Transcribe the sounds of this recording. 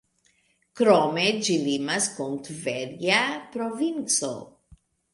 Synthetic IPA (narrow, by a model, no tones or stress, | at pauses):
kɾɔmed͡ʒilimaskont̪vɛɾɡapɾovint͡so̰